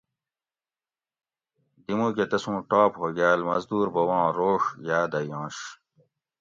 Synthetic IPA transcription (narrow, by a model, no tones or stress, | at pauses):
d̪imũːk̬et̪ɐsũːʈaːphoːɡaːlmɐzd̪uːɾbɐwɑ̃ːɾoːʂjaːd̪ɐjɑ̃ːɕ